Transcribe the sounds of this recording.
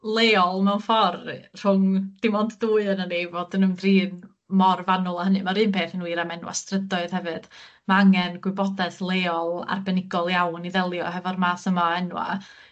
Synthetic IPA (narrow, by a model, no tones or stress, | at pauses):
lˠeːɔlˠmɛwnfɔrr̥ʊŋd̥ɪmɔndduːɨənənevoːdənəmðriːn | mɔrvanʊlˠaɦənɨmaɾɨːnpʰeːθənwiːɾamɛnwa̰strədɔɨð̥hɛvɨd̥ | maaŋɛnɡwɪbɔdɛθlˠeːɔlˠa̰rbɛnɪɡɔlˠjawniðɛlˠjɔ̰ɦɛvɔrmaːθəmaɛnwa̰